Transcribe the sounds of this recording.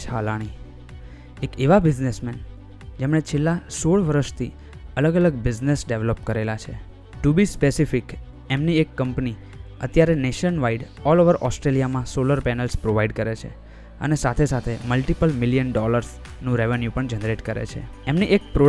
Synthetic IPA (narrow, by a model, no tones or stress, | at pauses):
alaɽ̃i | ekeʋabɪd͡ʒnesmɛn | d͡ʒemɳ̃et͡ʃʰelːasoɭʋəɾəʃt̪ʰḭ | ələɡələɡbɪd͡ʒnesɖeʋləpkəɾelat͡ʃʰe | ʈubispesifik | emniekːəmpni | ət̪jaɾeneʃənʋaiɖ | ɔloʋəɾʔɔsʈɾelijamãsoləɾpɛnəlspɾoʋaiɖkəɾet͡ʃʰḛ | ə̰nesat̪ʰesat̪ʰeməlʈipəlmɪlijənɖɔləɾs | nũɾeʋenjupəɳd͡ʒənɾeʈkəɾḛt͡ʃʰḛ | emniʔek̚pɾo